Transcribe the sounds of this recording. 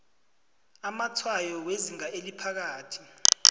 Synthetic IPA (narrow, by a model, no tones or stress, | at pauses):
amatʰwajɔweziŋaʔelipʰak̬aːtʰi̥